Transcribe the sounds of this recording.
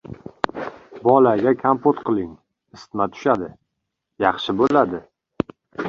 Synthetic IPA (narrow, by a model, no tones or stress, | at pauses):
bɒlaɡʲakʲʰampot̪qʰɨlˠɪŋ | ɪst̪mat̪ʰʊ̥ʃad̪ɪ | jɑχʃɪbolad̪ɪ